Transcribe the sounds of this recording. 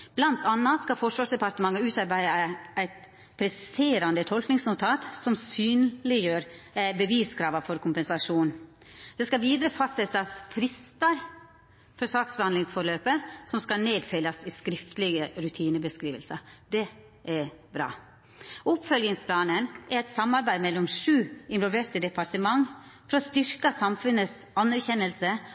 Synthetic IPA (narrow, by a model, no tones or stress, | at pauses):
b̥lɑnt̪ʰɑnːɑskɑfɔʂʋɑːʂd̪ɛpɑɾt̪əmɑŋːəʉːt̪ɑɾbæɪɑæɪt̪ | pʰɾɛsɪseːɾɑnd̪ət̪ʰɔlknɪŋsnʊt̪ʰɑːt̪sɔmsyːnlɪjøːɾbəʋiːskʰɾɑːʋɑfɔɾkʰʊmpɛnsɑʂuːn | d̪̥ɛskɑʋiːd̪ɾəfɑst̪sɛt̪ɑsfɾɪst̪ɑɾ | fɔɾsɑːksbəhɑnd̪lɪŋsfɔɾɭøːpəsɔmskɑneːd̪fɛlːɑsiskɾɪft̪əlɪɡəɾʉt̪ʰiːnəbəskɾiːʋəlsɑd̪ɛ | ʔæɾbɾɑ̰ː | ʊpfœlɡɪŋspʰlɑːnənɛɾɛt̪sɑmːɑɾbæɪmɛlːɔmʂʉːɪnʋɔlʋeːɾt̪əd̪ɛpɑɾʈəmɑŋːfɔɾɔst̪ʏɾkɑsɑmfʉnəs | ɑnæɾçɛnːəlsə